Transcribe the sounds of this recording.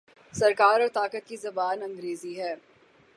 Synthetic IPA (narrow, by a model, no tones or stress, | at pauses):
sɐɾkaːɾɔːɾt̪aːkət̪̚kizɐbaːnɐ̃ŋɡɾeːziɦɛː